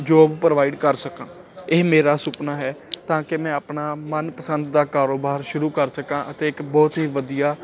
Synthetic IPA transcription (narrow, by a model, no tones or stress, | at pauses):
d͡ʒoːbpɾəʋaːɪɖkəɾsəkãː | ɪːmeːɾaːsʊpnaːɦɛːt̪ãːkemɛ̃ːəpnaːmənpəsənd̪d̪aːkaːɾoːbaːɾʃʊɾuːkəɾsəkãːʔət̪eːɪkbɔːt̪ɦiːʋəd̪ijaː